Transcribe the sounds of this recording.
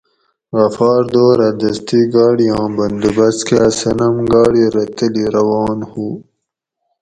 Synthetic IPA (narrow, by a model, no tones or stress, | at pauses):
ɣɐfɑːɾd̪oːɾad̪ɐst̪iɡɑːɽiɑ̃ːbɐnd̪ubɐskeasɐnɐmɡɑːɽiɾɐt̪əliɾɐwɑːnhu